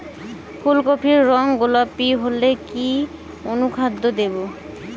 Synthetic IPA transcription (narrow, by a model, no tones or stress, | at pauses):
pʰulkopʰiɾːɔŋɡolapːiɦoleki | onukʰad̪ʱːod̪ebo